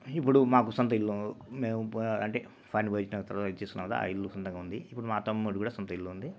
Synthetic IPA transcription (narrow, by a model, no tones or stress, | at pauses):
ipːuɽumaːkusɔnt̪ɐilːumeːmuɐɳʈeː | pʰajnbɐit͡ʃinɐkt̪ɐɾʋaːt̪ɐɐt͡ʃesk̪unːaːkɐt̪a̰a̰iɭːusɔnt̪ɐŋɡaːund̪iipːuɽumaːt̪ɐmːuɽikuːɽaːsɔnt̪ɐilːuund̪i